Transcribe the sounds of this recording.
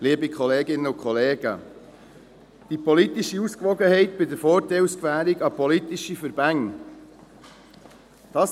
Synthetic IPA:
liəbikʰχɔleːɡɪnəʊkʰχɔleːɡ̥ə̰ | d̥ipɔlitiʃiuskʋɔɡəhɛɪtbɪdəɾfɔːɾtɛɪlskvæːɾiɡɑpɔlit̪iʃifəɾb̥æŋ | d̥ɑːs

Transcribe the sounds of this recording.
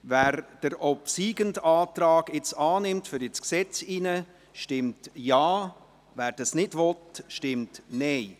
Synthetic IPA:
væːɾd̥əɾʔɔpsiːɡəndɑːtɾɑːɡɪt͡sɑːnɪmtfʏɾɪt͡sksɛt͡sinə | ʃtɪmtjɑː | væːɾd̥ɑsnɪdʋɔtʃtɪmtnɛɪ

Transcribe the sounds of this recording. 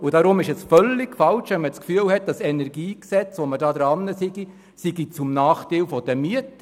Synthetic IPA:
udɑɾʊmɪʃɛsfœlːɪɡ̥fɑlʃʋɛnmət͡skfyəlhɛt̚d̥ɑsɛnɛɾɡiːksɛt͡sʋɔmədɑːd̪ɾɑnːəsɪɡi | siɡit͡sʊmnɑːχteɪlfɔd̥əmyət

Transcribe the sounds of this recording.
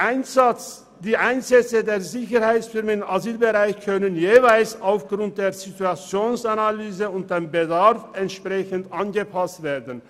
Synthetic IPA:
ʔaɪn | d̥iːʔaɪnzɛt͡sədeːɐzɪçəʁhaɪt͡sfʏʁmənɪmazyːlbəʁaɪçkʰœnənjeːvaɪlsaʊfɡ̥ʁʊnt̚d̥eːɐzituat͡sjoːnsanalyːzəʊnt̚d̥eːmbədaʁfɛntʃpʁ̥ɛçəntʔanɡəpʰastv̥eːdn̩

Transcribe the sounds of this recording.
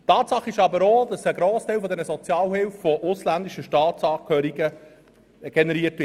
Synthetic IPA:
tɑːtsɑχɪʃɑbəɾoːd̪ɑsəɡɾoːst̪æɪlfɔd̪ɛnəzɔt͡sjɑːlhɪlffɔʔʊslænd̪iʃəʃtɑːt̪sɑːkʰhœːɾiɡə | ɡ̥enɛɾiətʋɪ

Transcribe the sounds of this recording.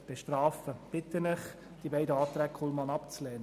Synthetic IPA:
b̥eʃtrɑːfəb̥ɪt̪ənɛχ | d̥ibæɪdəɑːt̪ɾæːkʰɔlmɑnɑpt͡slɛːnə

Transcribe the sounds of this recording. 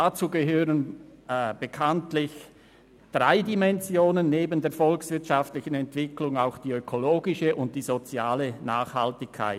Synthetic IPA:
dat͡suːɡəɦøːʁən | b̥əkʰantlɪç | d̥ʁaɪdimɛnzjoːnənːeːbəndeːɐfɔlksv̥ɪɐtʃaftlɪçən̩ɛntv̥ɪklʊŋaʊxd̥iːøkʰoloːɡɪʃəʔʊnt̚d̥iːzot͡sjaːlənaːχhaltɪçkʰa̰ɪ

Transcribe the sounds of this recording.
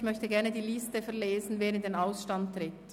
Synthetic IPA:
çmœçtəɡɛɐʁnədiːlɪstəfɛɐleːzn̩veːɾədeːnaʊsʃtanttʁɪt

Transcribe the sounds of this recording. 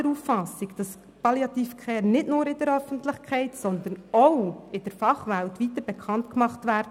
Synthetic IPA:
əɾufːɑsɪkd̥ɑs | pɑljɑt̪iːfkχɛːɾnɪdnʊːɾɪd̥əɾœfəntlɪχkχɛɪtsɔnd̪ənoɪd̥əɾfɑχʋæltʋit̪əɾb̥ɛkʰχɑntkmɑχtʋæːɾd

